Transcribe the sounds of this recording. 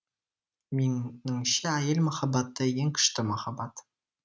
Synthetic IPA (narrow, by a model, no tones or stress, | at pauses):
meŋnɪŋʃɪæjelmɑχɑbɑt̪ːəjeŋkʲʰɪ̥ʃt̪ɪmɑχɑbɑt̪